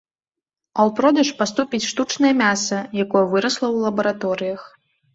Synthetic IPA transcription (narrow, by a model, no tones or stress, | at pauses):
ɐlˠpɾɔd̪ɐʂpast̪upʲit͡sʲʂt̪ut͡ʂnɐjɐmʲasɐjakɔjɐvɨɾɐslˠɐwlˠɐbɐɾat̪ɔɾɨjɐx